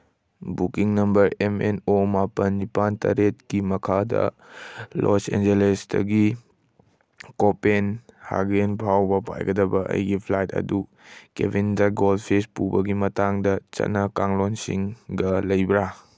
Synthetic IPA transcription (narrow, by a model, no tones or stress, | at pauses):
bukiŋnɐmbɐɾemenomapɐnːipantɐ̰ɾet̚kimɐkʰadɐ̰ | lʔosḛnd͡ʒelesdɐ̰ɡi | kopenha̰ɡenbʰawbɐpa̰jɡɐdɐbɐʔɐ̰jɡipʰlajtɐ̰du | kḛbindaɡolpʰespubɐɡimɐtaŋdɐt͡ʃɐ̰t̚nɐkaŋlonsiŋɡɐlɐjbɾa